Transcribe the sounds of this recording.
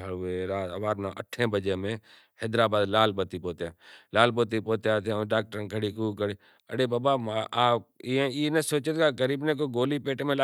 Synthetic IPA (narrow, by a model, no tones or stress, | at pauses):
əeɾaːt̪ʋaːɾnaʔə̰ʈʰẽːbəd͡ʒeːmẽː | hɛːd̪ɾaːbaːd̪laːlbət̪iːpoːt̪jaːlaːlboːt̪ipoːt̪jaːt̪ʰẽɖaːk̚ʈəɾkʰəɽiːkuːkəɽeː | əɽeːbaːbaːmaaːp̚iẽiːnẽːsoːt͡ʃet̪kaɡəɾiːbnẽːk̬oːɡoːliːpeːʈmẽːlaː